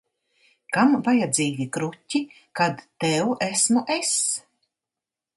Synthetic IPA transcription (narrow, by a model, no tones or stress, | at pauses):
kamvajad̪ziːɡʲikɾutʲːi | kad̪ːɛwæsmuʔɛs